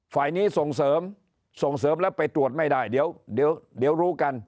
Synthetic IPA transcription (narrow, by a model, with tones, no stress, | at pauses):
faː˨˩jniː˦˥˩so˨˩ŋsɤː˩˦m | so˨˩ŋsɤː˨˦mlɛː˦˥wpa˧jt̪ɾu˨˩ət̪̚ma˥˩jdaː˥˩jdiː˨˦əwdi˨˦əwdi˨˩˦əwɾuː˦˥ka˧n